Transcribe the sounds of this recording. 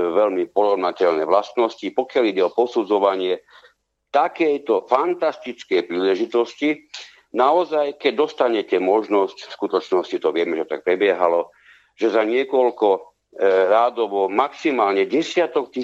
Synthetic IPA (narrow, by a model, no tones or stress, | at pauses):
ʋɛʎmipɔɾɔʋnacɛʎnɛːʋlast̪nɔscipɔkɪaliɟɛɔpɔsud͡zɔʋaɲɪɛ | t̪akɛjt̪ɔfant̪ast̪it͡skɛjpɾiːlɛʒit̪ɔsci | naɔzajkɛɟ̚d̪ɔst̪aɲɛcɛmɔʒnɔscskut̪ɔt͡ʃnɔscit̪ɔʋɪɛmɛʒɛt̪a̰k̚pɾɛbɪɛɦalɔ | ʒɛzaɲɪɛkɔlkɔ | ɾaːd̪ɔʋɔmaksimaːlɲɛɟɛsɪat̪ɔkt̪i